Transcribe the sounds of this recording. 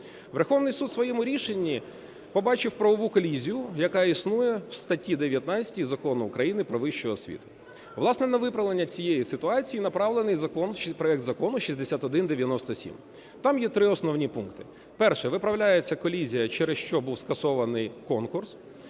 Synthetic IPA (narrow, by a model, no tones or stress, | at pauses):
ʋerxɔʋnɪjsud̪sʋɔjɛmʊɾʲiʃenʲːi | pɔbɑt͡ʃɪwpɾɐʋɔʋukɔlʲizʲijʊjɐkɑisnujɛwst̪ɐtʲid̪eʋʲjɐt̪nat͡sʲɐ̥tʲijzɐkɔnʊːkɾɐjinɪpɾɔʋɪʃt͡ʃɔɔsʲʋʲḭt̪ʊ̥ | ʋlˠɑsnɛnɐʋɪpɾɐʋlˠenʲːɐt͡sʲijejisɪt̪ʊɑt͡sʲijinɐpɾɑʋlˠenɪjzɐkɔnpɾɔɛk̚t̪zɐkɔnʊʃizʲd̪esʲat̪ɔd̪ɪnd̪eʋʲjɐnɔst̪ɔsʲḭm | t̪ɑmjɛt̪ɾɪɔsnɔʋnʲipunkt̪ɪ | pɛrʃɛʋɪpɾɐʋlʲajet͡sʲːɐkɔlʲizʲijɐt͡ʃɛɾesʃt͡ʃɔbuwskɐsɔʋɐnɪjkɔnkʊrs